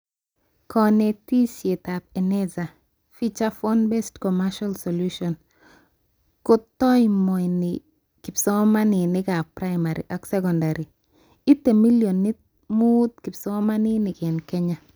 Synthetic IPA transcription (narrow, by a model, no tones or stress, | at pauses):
kʰɔnetisjetap̚ɛnɛza | fit͡ʃafɔnbɛstkɔmaʃalsoluʃɔn | kotɔjmɔjnɪ | kɪpsɔmaninɪkapɾajmaɾḭʔɔksɛkɔndaɾi | itemiljonːit̚ | mut̪kɪpsɔmaninɪkɛnkɛɲa